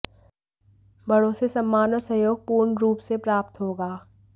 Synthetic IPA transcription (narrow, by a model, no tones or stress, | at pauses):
bʱɐɽoːsesɐmːaːnəsɐɦjoːɡ̚puːɾɳɾuːpsepɾaːp̚t̪ɦoːɡaː